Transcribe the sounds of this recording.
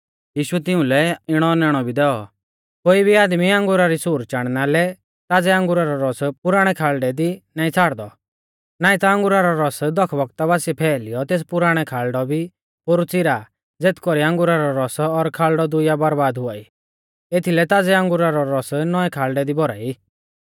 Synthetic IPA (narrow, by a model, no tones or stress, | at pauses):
jiːʃʊɛt̪ɪʊ̃lɛɪɽ̃ɔnɛɽ̃ɔbʱid̪ɛːɔ | koːibʱiaːd̪miãŋɡʊɾaɾisuːɾt͡ʃaɽ̃nalɛ | t̪aːd͡zɛãŋɡʊɾaɾɔɾɔspʊɾaːɽ̃ɛkʰaːɭɖɛd̪inaːĩt͡sʰaːɽd̪ɔ | naːĩt̪aə̃ŋɡʊɾaɾɔɾɔsd̪ɔkʰbɔk̚t̪abaːsiɛpʰɛːlɪjɔt̪eːspʊɾaːɽ̃ɛkʰaːɭɖɔbʱi | poɾut͡sɪɾa | d͡zeːt̪ʰkɔɾiãŋɡʊɾaɾɔɾɔsɔɾkʰaːɭɖɔd̪ʊjabɐɾbaːd̪ɦʊaːi | et̪ʰilɛt̪aːd͡zɛãŋɡʊɾaɾɔɾɔsnɔɛkʰaːlɖɛd̪ibɔɾa̰ːi